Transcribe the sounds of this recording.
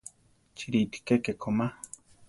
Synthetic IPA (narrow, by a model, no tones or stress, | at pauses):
t͡ʃiɾit̪i̥kekekʰoma